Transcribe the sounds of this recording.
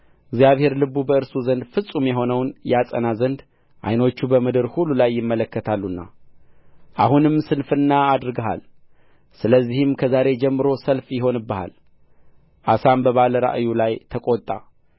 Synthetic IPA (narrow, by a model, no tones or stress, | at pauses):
ɪɡzijaβhe̞ɾlɨβubəɨɾsuzənd̪fɨsʼumjɛɦo̞nəwnjɛasʼə̰nazənd̪ | ʔa̰jno̞t͡ʃːubəmɨd̪ɨɾhulːulajːɪmːələkːət̪ʰalːunːa̰ | ʔahunɨmsɨnfɨnːaːd̪ɾɡəɦa̰l | sɨləzːihɨmkʰəzaɾe̞d͡ʒɛmːɨɾo̞səlfjɪɦo̞nɨbːəha̰l | ʔasambəβaləɾa̰ʔjulajt̪ʰəkʼot̪ʼːa̰